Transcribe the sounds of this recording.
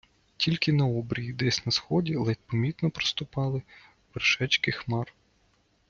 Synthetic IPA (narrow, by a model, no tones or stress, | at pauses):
tʲʰilʲkɪnɐɔbɾʲijid̪ɛsʲnɐsxɔdʲilˠɛt̪pɔmʲit̪nɔpɾɔ̥st̪ʊpɑlˠɪ | ʋerʃɛt͡ʃkɪxmɑr